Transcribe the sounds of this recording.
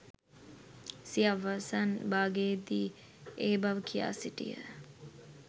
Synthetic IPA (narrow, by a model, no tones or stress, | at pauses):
siaʋasanbaːɡeːd̪iː | eːbɐʋəkʰija̰ːsiʈḭjə̰